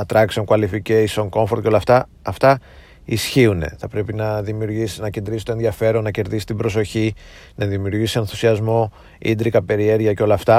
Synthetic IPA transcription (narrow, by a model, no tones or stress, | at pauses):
ɐt̪ɾɐksemkuɐlificeisoŋko̞ɱfo̞ɾt̪ceo̞lɐft̪ɐ | ɐft̪ɐ | isçiune̞̰θɐpɾe̞pinɐðimiuɾʝisinɐcend̪ɾisi̥t̪oenðiɐfe̞ɾo̞nːɐce̞ɾðisi̥t̪ibɾo̞s̬o̞çi | nɐðimiuɾʝisienθusiɐzmo̞ | ḭnd̪ɾikɐpe̞ɾie̞ɾʝɐceo̞lɐːft̪ɐ